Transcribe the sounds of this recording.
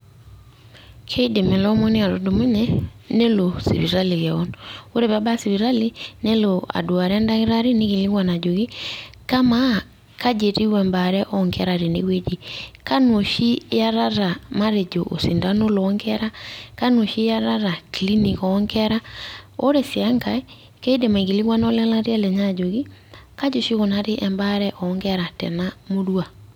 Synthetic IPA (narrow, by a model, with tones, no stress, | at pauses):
kʰe˦i˦de˨me˨lɔ˦mɔ˦ni˦a˨ɾo˨do˨mo˦ɲɛ˦ne˦lo˨sḭ˨βi˨ɾa˦li˨ɣɛ˨ɔ˦no˦ɾe˨βa˦ba˦si˨βi˨ɾa˦li˦ne˦loa̰˨do˨a˨ɾa˦nda˦ɣe˦ɾa˦ɾe˦ne˦ɣi˨li˦ɣwa˨na˨d͡ʒo˨ɣi˦ka˦ma | ka˦d͡ʒe˨ti˦wɛ˨mba˨ɾɛ˦ʔɔŋkɛɾa˨ɾe˨nḛ˦ɣwe˦d͡ʒi˦˨ka˦no˨ʃi˦ja˦ɾa˦ɾa˨ma˦ɾe˨d͡ʒo˨ʔo̰˨si˨nda˦no˦lɔː˦ŋɡɛɾa˦ka˦no˨ʃi˦ja˦ɾa˦ɾa˨kili˦ni˨kɔː˦ŋɡɛɾa˦o˦ɾe˨sa˦ŋɡa˨e | kɛ˦i˦de˨ma˨i˨ɣi˨li˦ɣwa˦nɔ˦lɛ˦la˦ɾe˦a˦lɛ˨ɲa˦d͡ʒo˨ɣi˦ka˦d͡ʒo˨ʃi˦ɣo˨na˨ɾe˦ʔɛ˨mba˦ɾɛ˦ʔɔŋɡɛɾa˨tɛ̰˨namo˦ɾwa˨